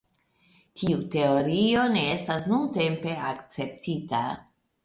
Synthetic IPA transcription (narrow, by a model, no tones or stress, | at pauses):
tʰiute̞oɾio̞ne̞estasnunte̞mpe̞akt͡se̞p̚tʰita̰